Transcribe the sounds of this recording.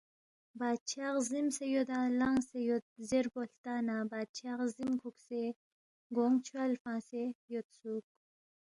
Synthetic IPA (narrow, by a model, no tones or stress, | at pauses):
bɑːd̪̚t͡ʃʰɑʁzimsejod̪alɑŋsejot̪̚zeɾboɬt̪ɑːnabɑd̪̚t͡ʃʰaqzimkʰukse | ɡoŋt͡ʃʰwalfɑ̃ːsejot̪suk̚